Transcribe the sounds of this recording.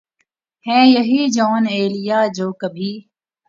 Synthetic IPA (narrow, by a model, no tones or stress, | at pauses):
hɛ̃ːjəɦiːd͡ʒɔːneːlɪjaːd͡ʒoːkəbʱiː